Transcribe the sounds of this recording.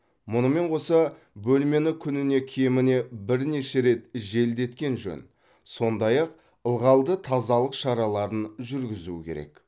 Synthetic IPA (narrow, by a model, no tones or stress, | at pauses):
mʊnəme̞ɴqʰo̞sɑ | bɵlme̞nɪkʲʰʏnɪne̞kʲʰejmɪne̞bɪɾne̞ʃe̞ɾe̞t̪ʒe̞ld̪e̞t̪kʲe̞nʒɵ̰n | so̞nd̪ɑjɑq | əlˠʁɑlˠd̪ət̪ʰɑzɑlˠəqʃɑɾɑlˠɑɾənʒʏɾɡʲɪzṵɪkʲʰe̞ɾe̞̰k